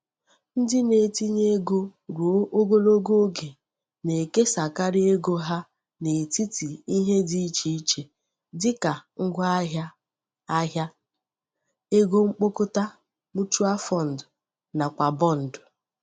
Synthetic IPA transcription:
n̩˦dɪ˦ne˨ti˦ɲe˦ɡo˦ɾo˨˦ʔo˦ɡo˦lo˦ɡo˦o˦ɡe˨ | ne˨ke˦sa˨ka˦ɾɪ˦e˦ɡo˦ɦa˦ | ne˨ti˦ti˨i˦ɦe˦di˦i˦t͡ʃi˨i˦t͡ʃe˨ | dɪ˦ka˨ŋ̩˦ɡʷa˦a˦ɦja˦ | a˦ɦja˦ | e˦ɡo˦ŋ͡m̩˦k͡po˦kʊ˦ta˦ | mu˦tu˦a˦fɔ˦n̩˨dʊ˨ | na˨kʷa˨bɔ˦n̩˨dʊ˨

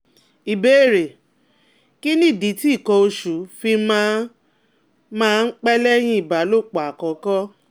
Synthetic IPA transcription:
i˨be˦˨ɾe˨ | ki˦nĩ˦˨di˨˦ti˦i˦˨kɔ˧o˧ʃu˨˦fi˧mã˧˦ | mãː˦˧n̩˦k͡pɛ˦lɛ˦j̃ĩ˧˦i˨ba˨˦lo˦˨k͡pa˨a˨kɔ̃˨kɔ˦

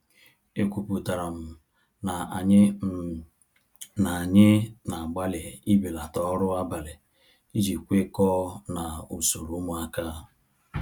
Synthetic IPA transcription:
e˨kʷu˨pu˨ta˨ɾa˨m̩˨ | na˨a˨ɲɪ˦m̩˨ | na˨ɲɪ˦na˨ɡ͡ba˦le˨i˦bi˨la˨tɔ˦ɾʊ˦a˦ba˨lɪ˨ | i˦d͡ʒi˨kʷe˦kɔː˦na˨u˨so˨ɾu˨˦mʊ˨a˦ka˦˨

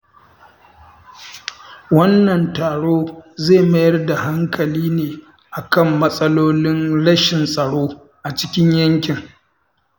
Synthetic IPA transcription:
wɐ˦nːɐ˨ntaː˨ɽoː˦zeː˦˨mɐ˦jɐ˦rda˨ɦa˦ŋkʰɐ˨liː˦neː˨ | ʔa˨kɐ˦˨mːɐ˦sʼɐ˦loː˦lɪ˦nɽɐ˦ʃɪ˨nsʼɐ˨ɽoː˦ | ʔa˨t͡ʃɪ̥˦kʲɪ˦ɲjɐ˦ŋkʲɪ˨ŋ

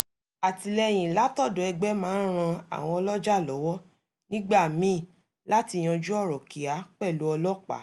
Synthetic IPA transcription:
a˨ti˧lɛ˧j̃ĩ˨la˨˦tɔ˦˨do˨ɛ˧ɡ͡bɛ˦mãː˦ɾ̃ã˧a̰˨w̃ɔ̃˧ɔ˧lɔ˦d͡ʒa˦˨lɔ˨˦wɔ˦ | nĩ˦ɡ͡ba˦˨mĩ˨˦˨ | la˦ti˧j̃ã˧d͡ʒu˦ɔ˦˨ɾɔ˨ki˨a˨˦k͡pɛ˦˨lu˨˦ɔ˧lɔ˦k͡pa̰˨˦

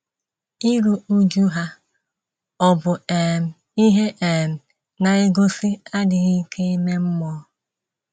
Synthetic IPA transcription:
i˦ɾu˨u˦d͡ʒu˦ɦa˦ | ɔ˦bʊ˨e˨m̩˨ | i˦ɦe˦ʔe˨m̩˨ | na˨ɪ˦ɡo˦sɪ˦a˦dɪ˨ɣi˦kʰe˦i˦me˦m̩˦mɔ˦

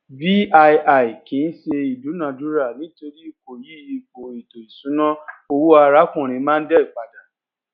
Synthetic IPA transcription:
bi˦a˧ja˨i˨kĩ˨˦n̩˦ʃe˧i˨du˨˦nã˨du˨˦ɾa˦˨nĩ˨˦to˧ɾi˦i˦˨ko˨ji˨˦˧k͡po˨i˨to˨i˨sũ˨˦nã˦o˧wu˦a˧ɾa˦kũ˦˨ɾ̃ĩ˧˦mãː˦n̩˦dɛ˦i˦˨k͡pa˨da˨

